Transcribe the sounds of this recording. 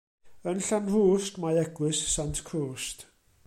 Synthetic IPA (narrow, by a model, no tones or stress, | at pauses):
ənɬanruːstmajɛɡwɨssantʰkʰruːst